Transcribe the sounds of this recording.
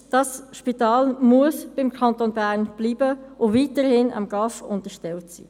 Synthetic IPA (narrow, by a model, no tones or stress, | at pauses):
d̥ɑsʃpitɑːlmuəsb̥ɪmkʰɑntonbæːʁnb̥liːbəʔʊviːtəɾhɪnɑ̰mɡ̥ɑfʊntəʃtɛltsḭː